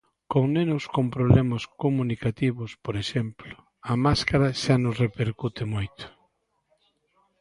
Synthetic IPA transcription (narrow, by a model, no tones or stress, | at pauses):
koŋnenʊskompɾoβlemɐskomunikat̪iβʊspoɾeʃemplʊ | ɐmaskaɾɐʃanʊsrepeɾkut̪ɪmojt̪ʊ̥